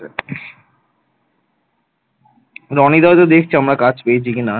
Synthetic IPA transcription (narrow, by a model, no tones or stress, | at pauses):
ɾɔnid̪ɔt̪od̪ek̚ʰt͡ɕʰiamɾakat͡ɕped͡ʑikina